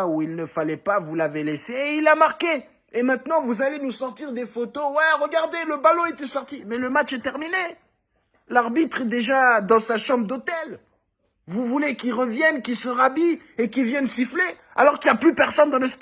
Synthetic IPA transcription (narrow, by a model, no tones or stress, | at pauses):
uilnəfalɛpavulaveleseilamaʁkeː | mɛ̃t̪nɑ̃vuzalenusɔʁt̪iʁd̪efot̪owɛʁəɡaʁd̪eləbalɔ̃et̪ɛsɔʁt̪imɛləmat͡ʃɛt̪ɛʁmine | laʁbit̪χɛd̪eʒad̪ɑ̃saʃɑ̃bʁd̪ot̪ɛl | vuvulekilʁəvjɛnkilsəʁabi | ekivjɛnsifle | a̰lɔʁkiljaplypɛʁsɔnd̪ɑ̃ləst̪